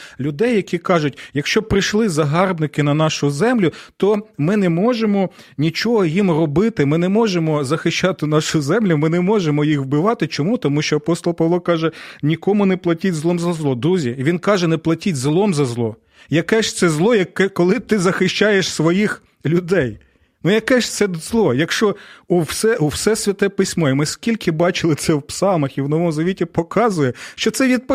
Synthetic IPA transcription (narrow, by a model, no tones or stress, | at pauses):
lʲʊd̪ɛjːɐkʲikɑʒʊtʲjɐkʃt͡ʃɔpɾɪʃlˠɪzɐɦɑrbnɪkɪnɐnɑʃʊzɛmlʲʊt̪ɔmɪnɛmɔʒemɔ | nʲit͡ʃɔɦɔjimrɔbɪt̪ɪmɪnɛmɔʒemɔzɐxɪʃt͡ʃɑt̪ɪnɑʃʊzɛmlʲʊmɪnɛmɔʒemɔjixwbɪʋɑt̪ɪt͡ʃɔmut̪ɔmuʃt͡ʃɔɐpɔst̪ɔlˠpɐʋlˠɔkɑʒɛnʲikɔmʊnɛplˠɐtʲitʲzlˠɔmzɐzlˠɔd̪uzʲiʋʲinkɑʒɛnɛplˠɐtʲitʲzlˠɔmzɐzlˠɔ | jɐkɛʃt̪sɛzlˠɔjɐkːɛkɔlˠɪt̪ɪzɐxɪʃt͡ʃɑjeʃsʋɔjix | lʲʊd̪ɛj | nujɐkɛʃt̪sɛzlˠɔjɐkʃt͡ʃɔusɛʔuwsɛsʲʋʲɐt̪ɛpɪsʲmɔimɪskʲilʲkɪbɑt͡ʃɪlˠɪt̪sɛwpsɑlˠmɐxiwnɔʋɔmzɐʋʲitʲipɔkɑzʊjɛʃt͡ʃɔt̪sɛʋʲid̪̚p